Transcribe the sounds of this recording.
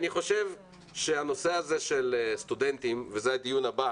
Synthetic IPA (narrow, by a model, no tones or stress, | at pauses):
niχo̞ʃe̞v | ʃeano̞se̞aze̞ʃelst̪ud̪e̞nt̪imvezead̪ijunaba